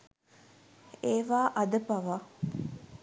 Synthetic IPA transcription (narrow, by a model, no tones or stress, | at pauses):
eːʋaːʔɐd̪əpaʋa